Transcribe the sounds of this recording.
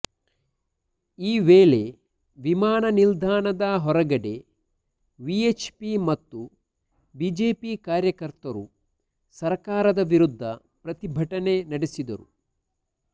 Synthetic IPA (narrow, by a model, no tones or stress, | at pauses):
iːʋeːle̞ | ʋimaːnɐnild̪ʱaːnɐd̪ɐɦɔɾɐɡɐɽe̞ | ʋiet͡ʃpimɐt̪ːu | biːd͡ʒe̞ːpikaːɾjɐkɐɾt̪ɐɾu | sɐɾkaːɾɐd̪ɐʋiɾud̪ʱːɐ̰ | pɾɐt̪ibʱɐʈɐne̞nɐɽesid̪ɐ̰ɾṵ